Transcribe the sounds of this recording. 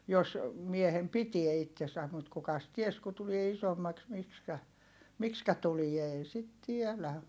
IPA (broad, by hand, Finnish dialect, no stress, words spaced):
jos miehem pitie itːesæm mut kukɑs ties ku tulie isomːɑks mikskæ mikskæ tulie ei sit tielæ